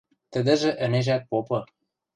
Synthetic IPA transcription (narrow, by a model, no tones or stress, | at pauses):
t̪ə̆d̪ɘ̆ʒĕʔə̆neʒæk̚popɤ̆